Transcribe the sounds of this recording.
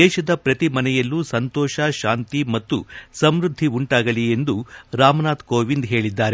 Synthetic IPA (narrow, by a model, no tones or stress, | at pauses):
d̪ɛːʃɐd̪ɐpɾɐt̪imɐnɛjɐlːuːsɐnt̪ɔːʃɐʃaːnt̪imɐt̪ːṵsɐmɾud̪ʱːiuɳʈaːɡɐɭie̞nd̪uɾaːmɐnaːt̪koːʋind̪ɦe̞ːɭid̪ːaːɾe